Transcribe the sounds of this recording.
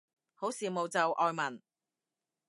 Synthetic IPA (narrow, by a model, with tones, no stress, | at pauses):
ho˨˥wsiː˨˧mo˨wt͡sɐ˨wʔɔː˨˧jmɐ˨˩n